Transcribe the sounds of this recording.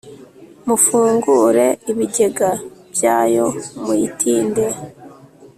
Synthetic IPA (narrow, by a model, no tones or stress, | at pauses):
mufuːŋɡuɾe̞iβiɟe̞ɡabjaːjo̞muitʰiːnde̞